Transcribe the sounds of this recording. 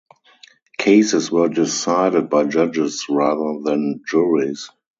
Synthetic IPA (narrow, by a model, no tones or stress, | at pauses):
kʰeɪsɪswɜ˞dɪsaɪɾɪd̚baɪd͡ʒad͡ʒɪsɹaðə˞ðæ̃nd͡ʒuɹis